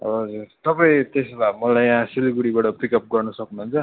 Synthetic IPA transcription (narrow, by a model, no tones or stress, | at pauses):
ʌ̰ʌd͡zurt̪ʌpaĩt̪eslamʌlajjãsilɡuɽibaʈʌpikʌp̚ɡʌrnʌsʌknuɦunt͡sʰʌ